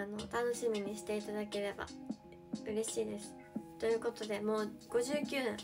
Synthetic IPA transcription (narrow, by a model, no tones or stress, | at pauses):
ano̞t̪ano̞ɕimʲiɲ̟iɕi̥t̪e̞it̪ad̪ake̞ɾe̞ba̰ | ɯ̟ɾe̞ɕiːd̪e̞sɨ̥ | t̪o̞jɯ̟ːko̞t̪o̞d̪e̞mo̞ːɡ̥o̞ʑɨːkʲɨːḛ̃